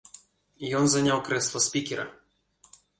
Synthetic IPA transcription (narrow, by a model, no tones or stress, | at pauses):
ijɔnzɐnʲawkɾɛslˠɔspʲikʲɛɾɐ̰